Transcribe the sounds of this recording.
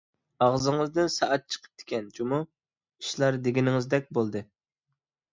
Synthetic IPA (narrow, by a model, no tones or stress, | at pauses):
ɑʁzɨŋɨzd̪ɨnsɑʔɑt̪̚t͡ʃʰə̥qʰə̥p̚d̪̥ɪ̥kʲɛnd͡ʒumu | i̥ʃlˠɑɾd̪eɡʲinɪŋɪzd̪ɛk̚ʲbolˠd̪ɨ